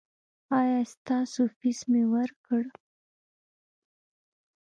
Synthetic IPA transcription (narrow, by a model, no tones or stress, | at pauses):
ɑjɑst̪ɑsofismewəɾkəɽ